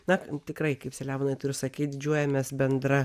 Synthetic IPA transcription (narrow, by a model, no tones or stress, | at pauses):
nɐkt̪ʲɪkrɐɪkɐɪpsʲɛlʲæːʋonɐɪt̪ʊɾʲʊsɐkʲiːt̪̚d̪ʲɪd͡ʒʲuɔjɛmʲɛːsbʲɛnd̪ɾɐ